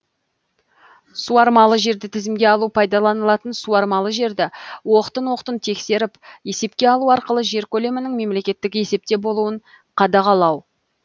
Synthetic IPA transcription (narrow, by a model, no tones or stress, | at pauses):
suɑɾmɑlˠəʒe̞ɾd̪ɪt̪ʰɪzɪmɡʲe̞ɑlˠupʰɑjd̪ɑlˠɑnəlˠɑt̪ənsuɑɾmɑlˠəʒe̞ɾd̪ɪwo̞qət̪ənwo̞qt̪ənt̪ʰe̞kse̞ɾɪpje̞se̞p̚kʲe̞ɑlˠuɑɾqəlˠəʒe̞ɾkʲʰɵle̞mɪnɪŋme̞mle̞kʲe̞t̪ːɪkʲje̞se̞p̚t̪e̞bo̞lˠuəɴ | qʰɑd̪ɑʁɑlˠɑw